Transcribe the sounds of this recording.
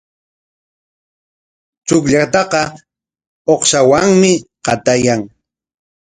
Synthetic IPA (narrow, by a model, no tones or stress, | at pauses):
t͡ʃʊkʎat̪ɑqɑ | oχʃawaŋmɪqɑt̪ajaŋ